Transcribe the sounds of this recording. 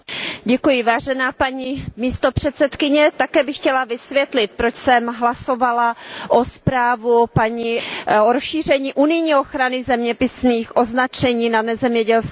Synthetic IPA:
ɟɛkujɪvaːʒɛnaːpaɲimiːst̪o̞pr̝̥ɛt̪sɛt̪kɪɲɛt̪akɛːbɪxcɛlavɪsvjɛt̪lɪt̪̚pɾot͡ʃsɛmɦlaso̞valaʔospɾaːvupaɲioɾosʃiːr̝ɛɲiːʔunɪjɲiːoxɾanɪzɛmɲɛpɪsniːxʔoznat͡ʃɛɲiːnanɛzɛmɲɛɟɛls

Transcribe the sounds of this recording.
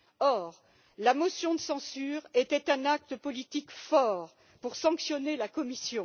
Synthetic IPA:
ɔʁ | lamɔsjɔ̃d̪əsɑ̃syʁet̪ɛt̪ɛ̃nak̚t̪əpɔlit̪ikfɔʁ | puʁsɑ̃ksjɔnelakɔmisjɔ̃

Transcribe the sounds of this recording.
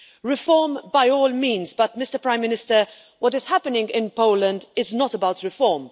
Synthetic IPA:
ɹɪfɔɹmbaɪɔːlˠmĩːnzbʌt̚mɪstə˞pʰɹ̥ãɪ̃mːɪnɪstə˞ | wʌɾɨz̥hæpənɪ̃ŋɡɪ̃npoʊlə̃ndɪznətəbaʊtɹɪfɔɹm

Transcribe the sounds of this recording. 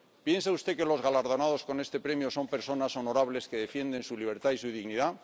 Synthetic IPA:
pje̞nsaust̪eke̞lo̞zɣalaɾðo̞nað̞o̞sko̞ne̞st̪e̞pɾe̞mjoso̞mpe̞ɾso̞nasono̞ɾaβle̞ske̞ðe̞fje̞nd̪e̞nsuliβ̞e̞ɾt̪aisuð̞iɣniða

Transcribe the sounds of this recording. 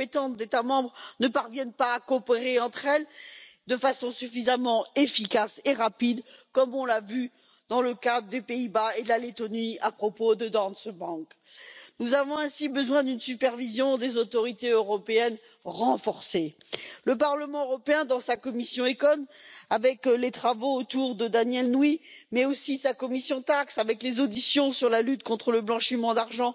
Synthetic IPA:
pet̪ɑ̃t̪d̪et̪amɑ̃bʁnəpaʁvjɛnpaːkopeʁeɑ̃t̪χɛld̪əfasɔ̃syfizamɑ̃efikaseʁapid̪kɔmɔ̃lavy | d̪ɑ̃ləkad̪ʁəd̪epeibaed̪əlalet̪ɔniapχɔpod̪əd̪ɑ̃nsbɑ̃k | nuzavɔ̃ɛ̃sibəzwɛ̃d̪ynsypɛʁvizjɔ̃d̪ezot̪ɔʁit̪eøʁɔpeɛn | ʁɑ̃fɔʁse | ləpaʁləmɑ̃øʁɔpeɛ̃d̪ɑ̃sakɔmisjɔ̃ekɔnavɛklet̪χavoːt̪uʁd̪əd̪anjɛlnwimɛosisakɔmisjɔ̃t̪aksavɛklezod̪isjɔ̃syʁlalyt̪kɔ̃t̪χələblɑ̃ʃimɑ̃d̪aʁʒɑ̃

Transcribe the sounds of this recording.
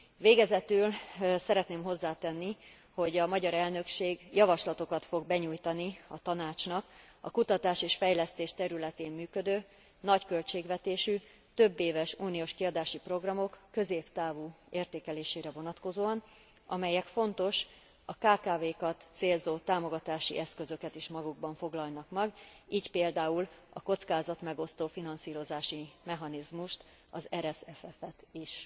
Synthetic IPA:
veːɡɛzɛt̪ylsɛɾɛt̪neːmɦo̞zːaːt̪ɛnːi | ho̞ɟɒmɒɟɒɾɛlnø̞kʃeːɡjɒvɒʃlɒt̪o̞kɒt̪fo̞ɡ̚bɛɲuːjt̪ɒniɒt̪ɒnaːt͡ʃnɒk | ɒ̰kut̪ɒt̪aːʃeːʃfɛjlɛst̪eːʃt̪ɛɾylɛt̪eːmːyːkød̪øː | nɒckø̞lt͡ʃeːɡvɛt̪eːʃy | t̪øbːeːvɛʃuːnioːʃkiɒd̪aːʃipro̞ɡrɒmo̞kːø̞zeːpt̪aːvueːrt̪eːkɛleːʃeːɾɛvo̞nɒt̪ko̞zoːɒn | ʔɒmɛjɛkfo̞nt̪o̞ʃ | ɒkaːkaːveːkɒt̪seːlzoːt̪aːmo̞ɡɒt̪aːʃḭʔɛskø̞zø̞kɛt̪iʃmɒɡuɡbɒɱfo̞ɡlɒlnɒkmɛɡiːcpeːld̪aːulɒko̞t̪skaːzɒt̪mɛɡo̞st̪oːfinɒnsiːɾo̞zaːʃimɛɦɒnizmuʃt̪ | ɒzɛɾɛsɛfɛfɛt̪iʃ

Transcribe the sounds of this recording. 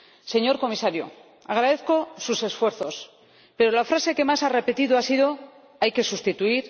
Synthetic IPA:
se̞ɲo̞ɾko̞misaɾjo̰ | aɣ̞ɾaðe̞θko̞suse̞sfwe̞ɾθo̞s | pe̞ɾo̞lafɾase̞ke̞masare̞pe̞t̪iðoasiðo̞ | ajke̞sust̪it̪uiɾ

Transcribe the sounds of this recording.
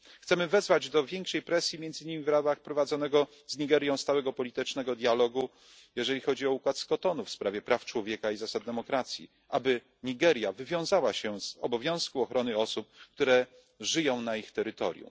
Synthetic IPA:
xt̪sɛmɘvɛzvad͡ʑd̪ɔvʲjɛŋkʂɛjpɾɛsʲjimʲɛnd̪zɘɲimʲivɾabaxpɾɔvad̪zɔnɛɡɔ | zɲiɡɛɾʲjɔ̃w̃st̪awɛɡɔpɔlʲit̪ɘt͡ʂnɛɡɔd̪ʲjalɔɡu | jɛʐɛlʲixɔd͡ʑiɔukwat̪skɔt̪ɔnufspɾavʲjɛpɾaft͡ʂwɔvʲjɛkaizasad̪̚d̪ɛmɔkɾat̪sʲjḭ | ʔabɘ | ɲiɡɛɾʲjavɘvʲjɔ̃w̃zawaɕɛz̥ɔbɔvʲjɔ̃w̃skuɔxɾɔnɘɔsup̚kt̪uɾɛ | ʐɘjɔ̃w̃naixt̪ɛɾɘt̪ɔ̰ɾʲjṵ

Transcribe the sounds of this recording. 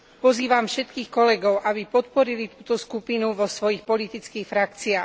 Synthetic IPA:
pɔziːʋamfʃɛt̪kiːxkɔlɛɡɔʊʔabipɔt̪̚pɔɾilit̪uːt̪ɔskupinuʋɔsʋɔjixpɔlit̪it͡skiːxfɾakt͡siaː

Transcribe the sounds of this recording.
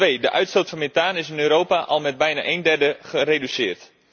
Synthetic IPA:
ʋejdəʔœɥtstowtfɑnmetaːnɪsɪnøːɾoːwpaʔɑlˠmɛd̚bɛjna̰ʔejndɛrdəχərejdysɪːrt

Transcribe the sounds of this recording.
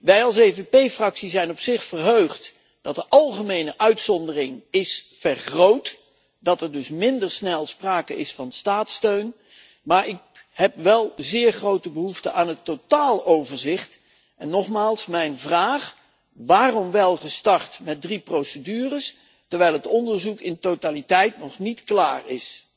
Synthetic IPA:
ʋɛjɑlˠs̬ejvepejfrɑksizɛjnɔpsɪχfərɦøɥχt | d̥ɑt̚dəʔɑlˠχəmejnəʔœɥtsɔndərɪŋɪsfɛrχrowt | dɑtɛɹdɵsmɪndəɹsnɛlˠspraːkəʔɪsfɑnstaːtstøɥn | maːɹɪk̚ | ɦɛpʋɛlˠzɪːɹχrowtəbəɦuftəʔaːnətːotaːlˠowvəɹzɪχt | ɛnːɔχmaːlˠsmɛjnvraːχ | ʋaːrɔmʋɛlˠχəstɑɹtmɛt̚driprowsədyːrəs | tɛɹʋɛjlˠɦətɔndəɹzukɪntotalitɛjtnɔχnitklaːɹɪs

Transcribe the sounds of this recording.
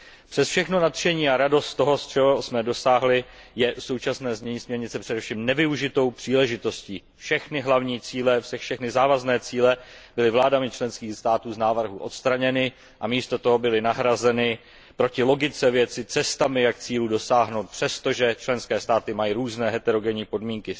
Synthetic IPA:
pr̥ɛsfʃɛxno̞nat̪ʃɛɲiːaɾado̞st̪t̪o̞ɦo̞st͡ʃɛɦosmɛdo̞saːɦlɪjɛso̞wt͡ʃasnɛːzmɲɛɲiːsmɲɛɾɲɪt͡sɛpr̝̥ɛdɛfʃiːmnɛvɪuʒɪt̪o̞wpr̥iːlɛʒɪt̪o̞sciː | fʃɛxnɪɦlavɲiːt͡siːlɛfʃɛʃɛxnɪzaːvaznɛːt͡siːlɛb̥ɪlɪvlaːdamɪt͡ʃlɛnskiːxst̪aːt̪uːznaːvr̩ɦuʔo̞t̪st̪ɾaɲɛnɪ | ʔamiːst̪o̞t̪o̞ɦo̞bɪlɪnaɦɾazɛnɪ | pɾocɪlo̞ɡɪt͡sɛvjɛt͡sɪt͡sɛst̪amɪjak̚t͡siːluːdo̞saːɦnowt̪̚pr̝̥ɛst̪o̞ʒɛt͡ʃlɛnskɛːst̪aːt̪ɪmajiɾuːznɛːɦɛt̪ɛɾo̞ɡɛɲiːpo̞dmiːŋkɪ

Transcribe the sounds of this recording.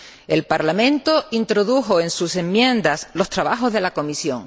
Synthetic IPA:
e̞lpaɾlamẽ̞nt̪o̞int̪ɾo̞ðuxo̞ẽ̞nsusẽ̞mːjẽ̞nd̪aslo̞st̪ɾaβaxo̞zðe̞lako̞misjõ̞̰ŋ

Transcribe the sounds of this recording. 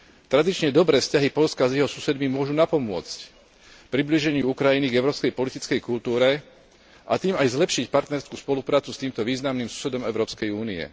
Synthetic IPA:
t̪ɾad̪it͡ʃɲɛd̪ɔbɾɛːfscaɦipɔʎskazjɛɦɔsusɛd̪mimʊɔʒunapɔmʊɔt͡sc | pɾibliʒɛɲɪuukɾajiniɡɛʊɾɔːpskɛjpɔlit̪it͡skɛjkult̪uːɾɛ | ʔa̰t̪iːmajzlɛpʃicpaɾt̪nɛɾskuːspɔlupɾaːt͡sust̪iːmt̪ɔʋiːznamnimsu̥sɛd̪ɔmɛʊɾɔːpskɛjuːniɛ̰

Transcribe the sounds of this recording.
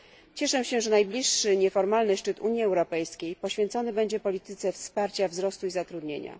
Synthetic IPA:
t͡ɕɛʂɛ̃ɕɛʐɛnajblʲiʂːɘɲɛfɔɾmalnɘʂt͡ʂɘt̪uɲjiɛwɾɔpɛjskʲejpɔɕfʲjɛnt̪sɔnɘbɛɲd͡ʑɛpɔlʲit̪ɘt̪sɛfspaɾt͡ɕavzɾɔst̪uizat̪ɾud̪ɲeɲa̰

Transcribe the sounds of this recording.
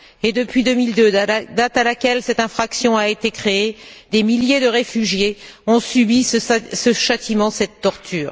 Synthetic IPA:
ed̪əpɥid̪əmild̪ød̪at̪alakʲɛlsɛt̪ɛ̃fχaksjɔ̃aet̪ekχeed̪emiljed̪əʁefyʒjeɔ̃sybisəsəʃat̪imɑ̃sɛt̪ːɔʁt̪ʰyːʁ

